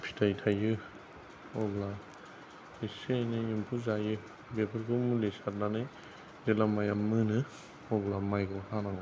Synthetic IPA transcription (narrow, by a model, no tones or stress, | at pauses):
pʰi̥tʰajtʰajɯ | ɔbla | isenɯjimpʰuzajɯ | bepʰɯɾkʰɯmulesat̚nanɯj | zelamajamːɯnɯ | ɔblamajɡɔhanaŋɔ